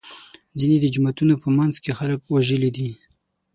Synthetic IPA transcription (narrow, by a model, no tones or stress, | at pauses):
zined̪əd͡ʒʊmat̪unopəmanzkexaləkwaʒəlid̪i